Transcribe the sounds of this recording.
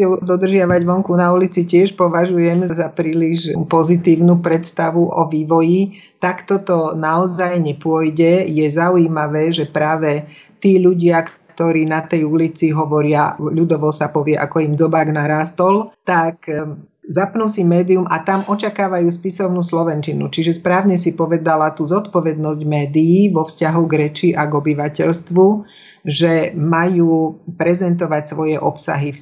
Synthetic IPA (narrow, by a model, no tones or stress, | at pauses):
ɛd̪ɔd̪r̩ʒɪaʋaɟʋɔŋkunaulit͡sicɪɛʃpɔʋaʒujɛmzapɾiːliʒpɔzit̪iːʊnupɾɛt̪st̪aʋuʔɔʋiːʋɔji | t̪akt̪ɔt̪ɔnaɔzajɲɛpʊɔjɟɛjɛzauimaʋɛːʒɛpɾaːʋɛ | t̪iːʎuɟɪak | t̪ɔɾiːnat̪ɛjulit͡siɦɔʋɔɾɪaʎud̪ɔʋɔsapɔʋɪɛʔa̰kɔimd͡zɔbaːɡnaɾaːst̪ɔlt̪akzapnusimɛːd̪iumat̪amʔɔt͡ʃakaːʋajuːspisɔʊnuːslɔʋɛnt͡ʃinut͡ʃiʒɛspɾaːʊɲɛs̬ipɔʋɛd̪alat̪uːzɔt̪pɔʋɛd̪nɔzɟmɛːd̪iːʋɔfscaɦuɡɾɛt͡ʃiʔaɡɔbiʋacɛʎst̪ʋu | ʒɛmajuːpɾɛzɛnt̪ɔʋacsʋɔjɛʔɔpsa̰ɦif